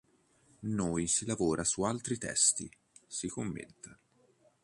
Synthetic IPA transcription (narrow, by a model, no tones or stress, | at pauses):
nuːjsilavɔːɾʔasualt̪ɾit̪ɛ̰st̪ḭ | sikomːḛt̪ːe